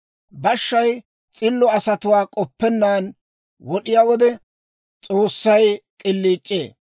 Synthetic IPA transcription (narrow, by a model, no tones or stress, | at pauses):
bɐʃːɐj | t͡sʼɪlːɔɐsɐt̪ʊwaːkʼɔpːɛnːaːn | wɔɗɪjaːwɔd̪ɛ | t͡sʼoːsːɐjkʼɪlːiːt͡ʃʼːeː